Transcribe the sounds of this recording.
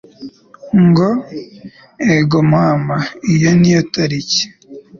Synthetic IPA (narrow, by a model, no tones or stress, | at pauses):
ŋɡo | eɡomamaijonijotaɾice̥